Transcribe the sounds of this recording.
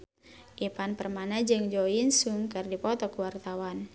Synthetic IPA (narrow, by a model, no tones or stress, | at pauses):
ʔipanpərmanad͡ʒɨŋd͡ʒɔinsuŋkɨrdipɔt̪ɔkuwart̪awan